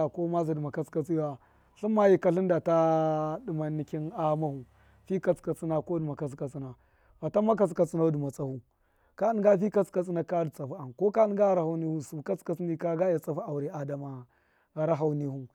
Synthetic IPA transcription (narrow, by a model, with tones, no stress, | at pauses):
ko˦ma˦zi˨di˨ma˨ka˦t͡ska˨t͡si˦wa˨ | ɬu˦mːa˦ji˦˨ka˨ɬi˦nda˨ta˦di˨ma˨nːi˨ki˦na˦ma˦hu˨ | fi˦ka˨t͡ska˨t͡si˦na˨ko˦du˨ma˨ka˨t͡ska˨t͡si˦na˨ | fa˨ta˦ma˦k̬a˨t͡ska˨t͡si˦na˦du˨ma˨t͡sʼa˨hu˦ | ka˦i˦ɡa˦fi˦ka˦t͡ska˨t͡sʼi˦na˨ka˦di˨t͡sa˨fu˦a˨n˨ko˦ka˦i˦ɡa˦a˨ɾa˨ha˦wni˦hu˦su˨ka˦t͡ska˨t͡sni˦ka˦ɡa˦ja˨t͡sa˨fu˦a˨wu˨ɾi˨a˨da˨ma˨ | ɣa˨ɾa˦ɦa˨wni˦hu˦